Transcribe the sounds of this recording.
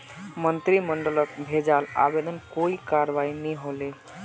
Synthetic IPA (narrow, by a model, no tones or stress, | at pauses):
mənt̪ɾiməɳɖələt̪̚bʱed͡ʒala̰bed̪ənkoikaɾʋainiɦole